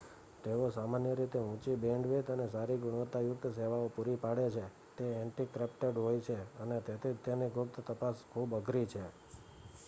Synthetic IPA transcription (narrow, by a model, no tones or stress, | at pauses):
t̪eʋosamanjəɾit̪eɦũt͡ʃibeɳɖʋet̪ənesaɾiɡʊɽot̪ajʊk̚t̪ʰseʋaopuɾipaɽet͡ʃʰe | t̪eɛɳʈikɾepʈeɖɦojt͡ʃʰeənet̪et̪ʰid͡ʒt̪eniɡʱʊk̚t̪ʰt̪əpaskʰubəɡʱɾit͡ʃʰe